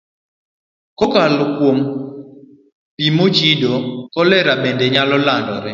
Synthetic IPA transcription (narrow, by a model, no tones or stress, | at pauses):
kɔkalɔkwom | pimot͡ʃidokɔlɛɾabendeɲalɔlandɔ̰ɾɪ